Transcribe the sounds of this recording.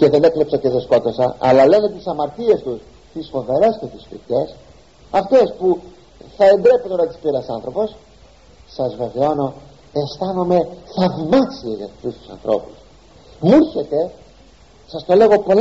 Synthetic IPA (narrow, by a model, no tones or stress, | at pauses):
ce̞ðe̞ne̞klepsɐceðesko̞t̪o̞sɐʔɐ̰lɐle̞net̪isɐmɐɾt̪ie̞st̪us | t̪isfo̞ve̞ɾɐscet̪isfḭçe̞s | ɐft̪e̞spu | θɐe̞nd̪ɾe̞punt̪oɾɐt̪i̥spiɾɐsɐnθɾo̞po̞s | sɐzve̞veo̞no̞ | est̪ɐno̞me̞θɐvimɐksieʝɐt̪t̪ust̪u̥sɐ̰nθɾo̞̰pu̥s | muɾçe̞t̪e̞ | sɐst̪o̞le̞ɣo̞po̞l